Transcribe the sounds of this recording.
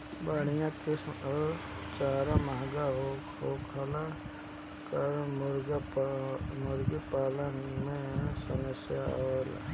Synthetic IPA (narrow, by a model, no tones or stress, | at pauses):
baːɽ̃ijãkes | t͡ʃaːɾaməɦɡaɦo | ɦoːkʰəla | kəɾmʊɾɡ | mʊɾɡipaːlənmẽsəməsjala̰